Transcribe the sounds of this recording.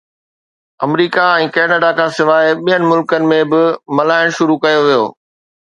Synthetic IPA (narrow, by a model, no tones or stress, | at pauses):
ɐ̰mɾiːkaɛ̃ːkɛːnəɖakʰãːsɪʋaːɪɓijənɪmʊlkənɪ̆mẽbɪmɐlaːɪɽ̃ʃʊɾukɐjoʋijo̰ː